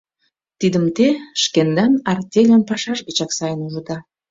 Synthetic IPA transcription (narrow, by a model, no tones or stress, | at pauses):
t̪id̪əmt̪eʃkend̪ɑnɑrt̪ʲelʲanpɑʃɑʒbet͡ɕɑksɑjənuʒud̪ɑ